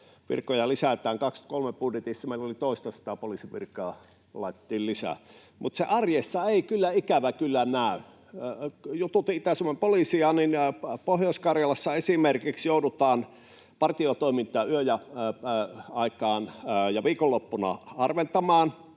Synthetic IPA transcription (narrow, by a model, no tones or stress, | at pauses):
ʋḭrkːojɑlisæt̪æːŋkɑkst̪kolmeb̥udjet̪isːɑmeˑilolit̪oˑist̪ɑsɑ̥t̪ɑpolisiʋḭrkːˑɑː | lɑˑit̪et̪ːˑiːllisæ̰ | mʔut̪seʔɑrjesːɑeˑikylːæikæʋækylːænæˑy | jut̪ut̪iʔit̪æsumoempolisiɑninpohjoˑskɑrjɑlɑsːɑesimerkiksjoudut̪ɑːn | pɑrt̪iot̪oˑimint̪ˑɑːyøjæ | ɑˑikˑɑːnjɑʋiːkolːopːunɑ̰ɑrʋent̪ɑmɑːn